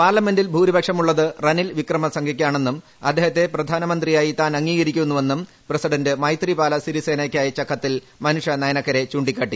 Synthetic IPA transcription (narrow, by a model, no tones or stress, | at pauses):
paːrlɐme̞ndilbʱuːɾibʱɐkʂɐmuɭːɐðɨrɐnilʋikrɐmɐsɐŋɡʱɐkʲːaːɳe̞nːum | ɐd̪ʱːeːɦɐt̪ːe̞prɐd̪ʱaːnɐmɐnd̪rijaːjit̪aːnɐŋːiːɣɐɾikʲːuenːuʋe̞nːum | presiɽɐndɨmɐjt̪ribaːlɐsiɾise̞ːnaːkʲːaːjɐt͡ɕɐkʰːɐt̪ːil | mɐnuʂɐnɐjɐnɐkːɐɾe̞t͡ɕuːɳɖikʲːaːʈːi